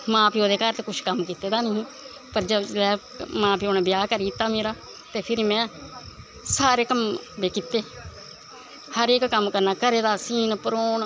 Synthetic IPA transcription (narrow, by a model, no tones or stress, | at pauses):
mãːpiːoːd̪eːkaːɾt̪ekʊt͡ʃʰkəmkiːt̪eːd̪aːnəɦĩː | pəɾd͡ʒəlɛː | mãːpiːoːnẽːbɪjaːkəɾkiːt̪ːaːmeːɾaː | t̪eːpʰɪɾimɛ̃ː | saːɾeːkəmbeːkit̪ːeː | həɾeːkːəmkəɾnaːkəɾeːd̪aːsiːnpəɾoːn